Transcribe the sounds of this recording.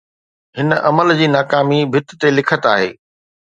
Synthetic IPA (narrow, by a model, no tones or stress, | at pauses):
ɦɪnəʔɐməld͡ʑiːnaːkaːmibʱɪt̪̆t̪elɪkʰət̪aːɦḛː